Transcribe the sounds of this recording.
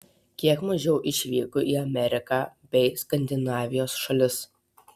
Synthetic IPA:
kʲiɛkmɐʒʲɛʊʔɪʃʲʋʲiːkʊʔiːɐmʲɛɾʲɪkɑːbʲɛɪskɐnʲd̪ʲɪnɑːʋʲɪjoːsʃɐlʲɪs

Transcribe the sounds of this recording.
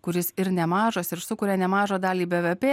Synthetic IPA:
kʊɾʲɪsɪɾnʲɛmɑːʒosɪɾsʊkʊːɾʲɛːnʲɛmɑːʒoːd̪ɑːlʲiːbʲeʋʲepʲeː

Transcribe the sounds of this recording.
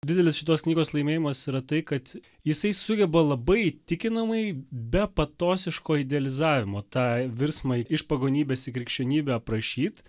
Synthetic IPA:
dʲɪd̪ʲɛlʲɪsʃʲɪt̪oːsknʲiːɡoːslˠɐɪmʲeːjɪmɐsiɾɐt̪ɐɪkɐt̪ | jɪsɐɪsʊɡʲɛbɐlˠɐbɐɪt̪ʲɪkʲɪnɐmɐɪbʲɛpɐt̪oːsʲɪʃkoːɪd̪ʲɛɐlʲɪzɑːʋʲɪmoːt̪ɑːʋʲɪɾsmɐɪʃpɐɡoːnʲiːbʲɛːsɪkɾʲɪkʃʲt͡ʃʲoːnʲiːbʲɛpɾɐʃʲiːt̪

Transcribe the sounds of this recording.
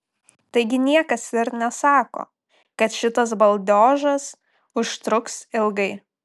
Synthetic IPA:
t̪ɐɪɡʲɪnʲiɛkɐsɪɾnʲɛsɑːko̰ː | kɐt̪ʃʲɪt̪ɐs̬bɐlˠʲd̪ʲoːʒɐs | ʊʃt̪ɾʊksɪlˠɡɐɪ

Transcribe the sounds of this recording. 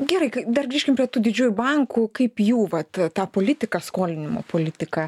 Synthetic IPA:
ɡʲɛɾɐɪkɐɪd̪ɐrɡɾʲiːʃʲkʲɪmpʲɾʲiɛt̪uːd̪ʲɪd͡ʒʲuːjʊbɐŋkʊkɐɪpjuːʋɐt̪t̪ɑːpoːlʲɪt̪ʲɪkɑskoːlʲɪnʲɪmo̰ːpoːlʲɪt̪ʲɪkɑ

